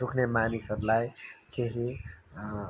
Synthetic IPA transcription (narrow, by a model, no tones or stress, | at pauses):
sukʰnemanisʌblajkeɦi